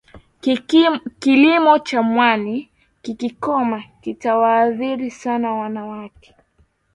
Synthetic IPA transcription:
kilimɔt͡ʃamwani | kikikɔmakitawaːðiɾisanawanawakɛ̥

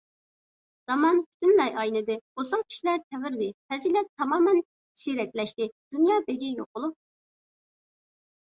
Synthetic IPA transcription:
z̥ɑmɑnpʰy̥t̪ʰynlɛjʔɑjnɨd̪ɨosɑŋkʲʰi̥ʃilæɾt̪ʰɛvɪɾd̪ɪt̪ʰɛzilɛp̚t̪ʰɑmɑːmɛn | siɾɛk̪ʲlɛʃt̪ɪd̪̥unjɑːbeɡʲijo̰q̚ʊlˠup̚

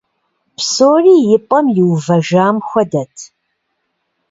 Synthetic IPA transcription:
psoːriːjɪpʼɐmjɪwvɐʒaːmxʷɐdɐtʰ

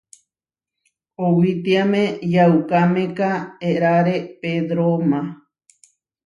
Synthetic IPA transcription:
owit̪iamẽjawkamẽkaeɾaɾeped̪ɾomã

